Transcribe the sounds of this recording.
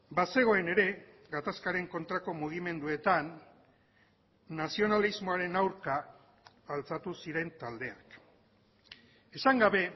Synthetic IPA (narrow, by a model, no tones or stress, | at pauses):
base̞ɣ̞o̞e̞ne̞ɾe̞ | ɣat̪askaɾe̞ŋko̞nt̪ɾako̞muɣ̞ime̞nd̪ue̞t̪an | asio̞nalizmo̞aɾe̞nawɾkaː | lt͡sat̪usiɾe̞nt̪ald̪e̞ak | e̞saŋɡaβe̞